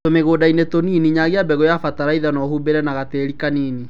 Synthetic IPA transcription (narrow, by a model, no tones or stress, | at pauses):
tomeɣoːdainetoniːniɲaɣeabɛɣɔjafataɾaiðanɔhumbeɾɛnaɣateːɾikaniːni